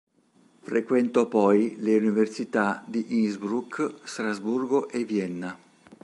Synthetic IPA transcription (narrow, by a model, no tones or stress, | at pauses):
fɾekwɛnt̪ɔpɔjleuniversit̪ad̪iʔiŋzbɾukst̪ɾazburɡoʔevjɛnːa